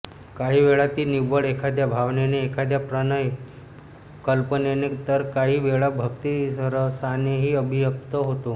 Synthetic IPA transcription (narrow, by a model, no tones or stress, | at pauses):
kaɦiʋeɭat̪inibəɭekʰad̪jabʱaʋneneːkʰad̪japɾənəe | kəlpənenet̪əɾkaɦiʋeɭabʱəkt̪iəɾəsaneɦiəbʱijək̚t̪əɦot̪o